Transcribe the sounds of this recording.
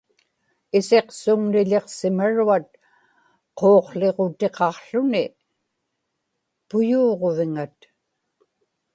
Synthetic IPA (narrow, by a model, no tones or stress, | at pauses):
ɪse̞qsʊŋnɪʎe̞qsɪmaɻuat̪̚ | qʰoːqɬe̞ʁot̪e̞qɑqɬʊnɪ | pʊjuːʁo̞vɪŋat̪